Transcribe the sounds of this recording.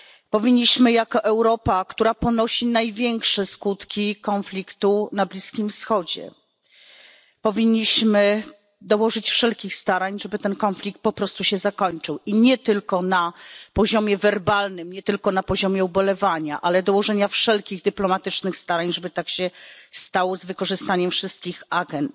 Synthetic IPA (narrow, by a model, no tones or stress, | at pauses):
pɔvʲiɲːiɕmɘjakɔʔɛwɾɔpakt̪uɾapɔnɔɕinajvʲjɛŋkʂɛskut̪kʲikɔnflʲikt̪unablʲiskʲimfsxɔd͡ʑɛ̰ | pɔvʲiɲːiɕmɘ | d̪ɔwɔʐɘt͡ɕfʂɛlkʲixst̪aɾaɲʐɛbɘt̪ɛnkɔnflʲikt̪̚pɔpɾɔst̪uɕɛzakɔɲt͡ʂɘwʔiɲɛt̪ɘlkɔnapɔʑɔmʲjɛvɛɾbalnɘmɲɛt̪ɘlkɔnapɔʑɔmʲjɛɔbɔlɛvaɲaʔalɛd̪ɔwɔʐɛɲafʂɛlkʲiɣd̪ɘplɔmat̪ɘt͡ʂnɘxst̪aɾaɲʐɛbɘt̪akɕɛst̪awɔzvɘkɔʐɘst̪aɲɛmfʂɘst̪̚kʲixaɡɛnt̪